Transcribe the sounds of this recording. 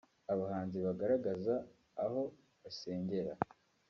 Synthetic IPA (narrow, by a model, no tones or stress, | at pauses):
aβahaːnziβaɡaɾaɡazaː | ho̞ | βase̞ːɲɟe̞ɾa̰